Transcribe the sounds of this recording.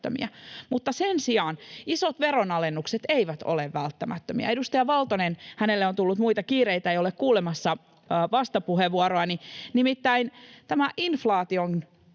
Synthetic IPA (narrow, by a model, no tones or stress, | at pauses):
ø̰mḭæmut̪ːɑsensiɑnisot̪ʋeɾonɑlenːukset̪eiʋæt̪o̰leʋːælt̪ːæmæt̪ːømḭæ̰edust̪ɑjɑʋɑlt̪onenhænelːeont̪ulːut̪muit̪ɑkiːreit̪æeiolekkuːlemɑsːɑ | ʋɑst̪ɑpuheʋːuoɾoɑninimit̪ːæint̪æmæʔinflɑːt̪ion